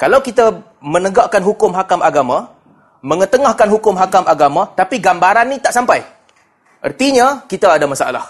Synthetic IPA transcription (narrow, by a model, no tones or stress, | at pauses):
kalawkit̪a | mə̃nəɡaʔkanɦukʊmɦakamʔaɡamã | mə̃ŋət̪əŋahkanɦukʊmɦakamʔaɡamãt̪apiɡambaɾanːĩt̪aʔsampaj | ʔərt̪iɲãkit̪aːdamasaʔa̰la̰h